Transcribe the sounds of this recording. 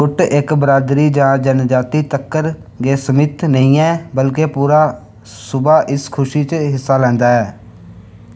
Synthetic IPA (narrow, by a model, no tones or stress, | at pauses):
ʊʈɪkbəɾaːd̪ɾiːd͡ʒãːd͡ʒənd͡ʒaːt̪iːt̪əkːəɾ | ɡeːsəmɪt̪nəĩːɛːbəlkeːpuːɾaː | sʊbaːʔɪskʰʊʃiːt͡ʃɦɪsːaːlɛ̃ːnd̪aːɛː